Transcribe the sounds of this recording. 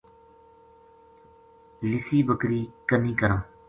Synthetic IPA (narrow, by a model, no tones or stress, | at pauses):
lɪsiːbəkɾiːkənĩːkəɾãː